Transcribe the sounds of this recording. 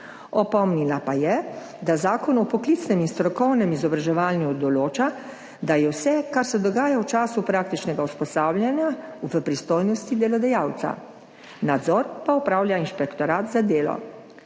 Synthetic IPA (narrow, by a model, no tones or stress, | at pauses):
ɔpɔmnilapajɛ | d̪azaːkɔnɔpɔklit̪snɛminst̪ɾɔkɔwnɛmizɔbɾaʒɛʋaːlnjud̪ɔloːt͡ʃa | d̪ajɛwsɛkaɾsɛd̪ɔɡaːjawt͡ʃaːsupɾaːk̚t̪it͡ʃnɛɡauspɔst̪aːwlʲjanjauvəpɾist̪oːjnɔst̪id̪ɛlɔd̪ɛjaːwt̪sa̰ | nad̪zɔɾpaɔpɾaːwljainʃpɛkt̪ɔɾaːt̪zad̪eːlɔ̰